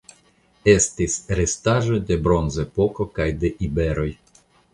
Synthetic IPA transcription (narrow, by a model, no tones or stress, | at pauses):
e̞st̪isɾest̪aʒo̞d̪e̞bɾo̞nzepo̞ko̞kajd̪e̞ʔibe̞ɾo̞j